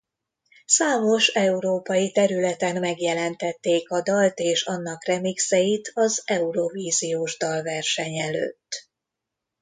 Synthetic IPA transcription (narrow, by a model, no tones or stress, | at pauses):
saːmo̞ʃɛuɾoːpɒjit̪ɛɾylɛt̪ɛnmɛɡjɛlɛnt̪ɛt̪ːeːkɒd̪ɒlt̪eːʃɒnːɒkrɛmiksɛjit̪ʰɒzɛuɾo̞viːzijoːʒd̪ɒlvɛrʃɛɲɛlø̰ːt̪ː